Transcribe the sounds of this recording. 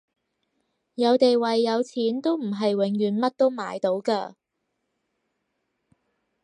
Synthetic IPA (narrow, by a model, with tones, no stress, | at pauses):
jɐ˨˧wt̪e˨jwɐ˨jːɐ˨˧wt͡sʰiː˨˥nt̪o˥wm̩˨˩ɦɐ˨jwɪ˨˥ŋjyː˨nmɐ˥t̚t̪o˥wma̰ː˨˧jt̪o˨˥wkaː˧